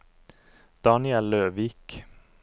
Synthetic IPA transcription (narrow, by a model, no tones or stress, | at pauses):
d̪̥ɑːnɪɛløːʋiːk